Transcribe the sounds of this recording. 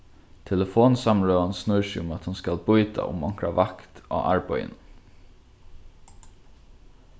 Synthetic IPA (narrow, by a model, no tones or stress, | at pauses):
t̪ʰɛləfoːnsamɹœːansnʏɹsɪʊmat̪hʊnskalbʊjt̪a̰ʔʊ̰mɔŋ̥kɾavakt̪a̰ːʔa̰ɹpɔʏjɪ̰n